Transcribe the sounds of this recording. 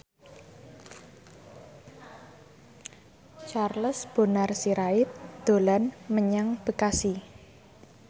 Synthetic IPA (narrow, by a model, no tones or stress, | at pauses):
t͡ʃarləsb̥o̤narsiɾaɪt̪̚d̪̥o̤lanməɲaŋb̥əkasi